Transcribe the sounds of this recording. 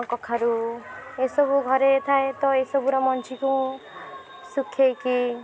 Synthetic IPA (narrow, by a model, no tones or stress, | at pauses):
kɔkʰːaɾuesɔbuɡʱɔɾet̪ʰaet̪ɔesɔbuɾɔmɔnt͡ʃʰikũ | sukʰːejki